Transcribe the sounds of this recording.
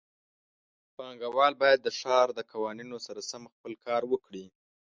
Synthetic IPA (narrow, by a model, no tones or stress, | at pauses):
pɑŋɡawɑlbɑjad̪ːəʂɑɾd̪əkawɑninosaɾasamxpəlkɑɾwəkɽi